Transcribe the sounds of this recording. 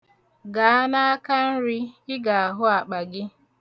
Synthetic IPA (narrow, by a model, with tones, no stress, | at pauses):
ɡa˨a˦na˦a˦ka˦n̩˦ɾɪ˦ɪ˦ɡa˨a˨ɦʊ˦a˨k͡pa˨ɡɪ˦